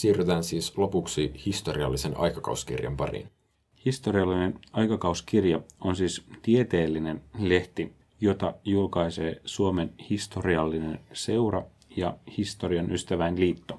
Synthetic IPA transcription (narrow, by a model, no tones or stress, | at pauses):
siːryt̪æːnsiːslo̞puksihist̪o̞riɑ̰lːisenɑ̰jkɑkɑ̰uskḭrjɑ̰mpɑ̰rḭn | hist̪o̞ɾiɑlːine̞nɑjkɑkɑuskirjɑo̞nsiːst̪ie̞t̪e̞ːlːine̞nle̞ht̪i | jo̞t̪ɑjulkɑjse̞ːsuome̞nhist̪o̞riɑlːinense̞wɾɑ̰ | jɑhist̪o̞riɑnʔyst̪æʋæjnliːt̪ːo